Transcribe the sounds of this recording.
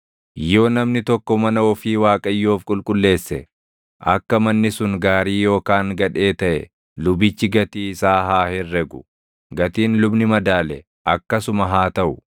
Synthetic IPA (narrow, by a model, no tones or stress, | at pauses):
jo̞ːnɐmnɪt̪ɔkːɔmɐnɐɔfiːwaːkʼɐjːoːfkʼʊlkʼʊlːe̞ːsːɛ | ʔɐkːɐmɐnːɪsʊŋɡaːɾiːjo̞ːkaːŋɡɐᶑe̞ːt̪ɐʔɛ̰ | lʊbɪt͡ʃːɪɡɐt̪iːɪsaːɦaːhɛrːɛɡʊ̥ | ɡɐt̪iːnlʊbnɪmɐd̪aːlɛ | ʔɐkːɐsʊmɐɦaːt̪ɐʔʊ